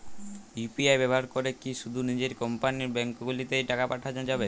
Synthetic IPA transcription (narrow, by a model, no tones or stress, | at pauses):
jupiajbɛboaɾkoɾekiʃud̪ʱunid͡ʑeɾkɔmpaniɾbɛŋkoɡulit̪ejʈakapaʈʰad͡ʑad͡ʑabe